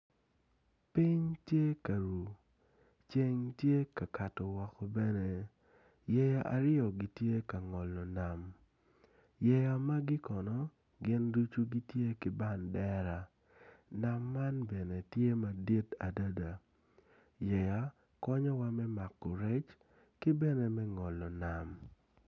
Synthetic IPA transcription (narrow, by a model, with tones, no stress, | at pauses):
pi˦ɲtje˦ka˨ɾu˨ | t͡ʃe˦ŋtje˦ka˨ka˨tɔ˨wɔ˨kɔ˨bɛ˦ne˨ | jɛ˨ja˦ʔa̰˨ɾɪ˦ɔ˨ɡi˦tje˦ka˨ŋɔ˨lɔ˨na˨m | jɛ˨ja˨ma˦ɡɪ˦kɔ˨nɔ˨˦ | ɡɪ˦ndu˦t͡ʃu˦ɡi˦tje˦kɪ˨ba˦˨ndɛ˦ɾa˨ | na˨mːa˦nbɛ˨ne˨tje˦ma˨di˦ta˨da˦da˨ | jɛ˨ja˨ | kɔ˦ɲɔ˦wa˦mɛ˦ma˨kːɔ˨ɾɛ˦t͡ʃ | kɪ˦bɛ˦ne˨mɛ˦ŋɔ˨lɔ˨na˨m